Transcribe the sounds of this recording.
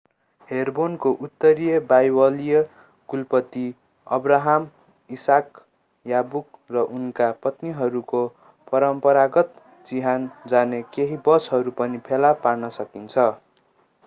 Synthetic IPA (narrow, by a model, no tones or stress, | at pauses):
herbonkoʔut̪ːʌɾijʌbajwʌlijʌ | ɡ̥ulpʌt̪i | ʌ̰braɦam | isak | jabuk̚rʌʔunkapʌt̪niɦʌɾuko | pʌɾʌmpʌɾaɡʌt̪ | d͡ziɦand͡zanekeɦibʌsɦʌɾupʌnipʰelaparnʌsʌkint͡sʰʌ